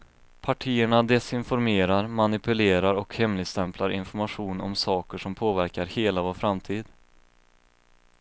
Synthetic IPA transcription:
pʰaʈʰiːəɳad̪ɛsɪnfɔɾmeːɾaɾmanɪpɵleːɾaɾɔkhɛmlɪɡst̪ɛmpʰlaɾɪ̰nfɔɾmaɧuːnɔ̰msɑːkəʂɔmpʰoːvæɾkaɾheːlavoːɾfɾamt̪ʰiːd̪

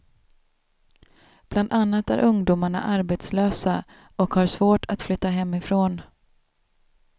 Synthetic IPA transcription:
b̥land̪anːat̪æ̰ɾʔɵŋd̪uːmaɳa̰ʔaɾbeːt̪sløːsa | ɔkhaɾʂvoːʈʰat̪flʏt̪ːaɦɛmːɪfɾoːn

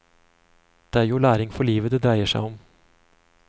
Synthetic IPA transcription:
d̪̥eːæːɾjuːɭæːɾɪŋfɔɭiːʋəd̪eːd̪ɾæɪəʂæ̰ɪɔm

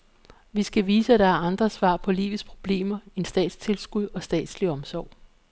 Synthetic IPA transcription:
ʋisɡ̥æʋiːsəæd̥ɑ̈æɐɑ̈nd̥ʁɐsʋɑ̰̈ːpʰɒ̽lḭːʋð̩ˠspʰʁo̝b̥le̝̰ːmɐe̝nsd̥ɛ̰ːd̥st͡sʰe̝lsɡ̥uðˠɒ̽sd̥ɛ̰ːd̥sliɒ̽msɒ̰ʊ̰

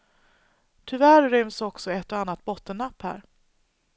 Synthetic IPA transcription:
t̪ʰɵvæɾɾʏmsɔksɔɛt̪ːɔanːat̪̚bɔt̪ːənːapːhæ̰ːɾ

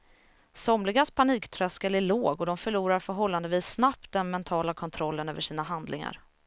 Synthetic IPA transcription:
sɔmlɪɡaspʰaniːkt̪ʰɾœskəlæɭoːɡɔd̪ɔmfœɭuːɾaɾfœɾɦɔlːand̪əviːsːnap̚t̪̚d̪ɛnmɛnt̪ʰɑːlakʰɔnt̪ʰɾɔlːənøːvəʂiːnaɦand̪lɪŋa̰ɾ

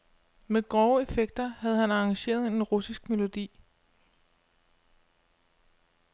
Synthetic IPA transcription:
meɡ̥ʁɒːʊəe̝feɡ̥̚d̥ɐhæð̞̩ˠhænɑ̈ɑŋɕe̝̰ːɐð̞ˠe̝nenʁusisɡ̥̚me̝lo̝d̥ḭː

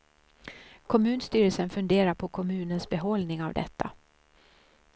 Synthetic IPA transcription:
kʰɔmʉ̟ːnst̪yːɾəlsənfɵnd̪eːɾaɾpʰɔkʰɔmʉ̟ːnənsbɛɦɔlnɪŋavd̪ɛ̰t̪ʰːa̰

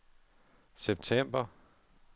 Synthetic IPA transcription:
seb̥̚t͡sʰem̰b̥ɐ

